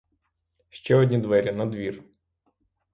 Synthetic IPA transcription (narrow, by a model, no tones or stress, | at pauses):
ʃt͡ʃɛɔdʲnʲid̪ʋɛɾʲɐnɐd̪ʋʲir